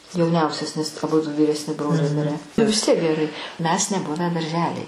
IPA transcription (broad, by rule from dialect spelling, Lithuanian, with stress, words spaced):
jɛʊˈnʲɛʊsʲɛs nʲɛs ɐˈbʊdʊ ʋʲiːrʲɛsʲˈnʲɪ ˈbroːlʲɛɪ ˈmʲɪrʲæː ʋʲɪs ˈtʲiɛk ɡʲɛˈrɐɪ ˈmʲɛs nʲɛˈbʊʋʲæː dɐrʲˈʒʲæːlʲɛj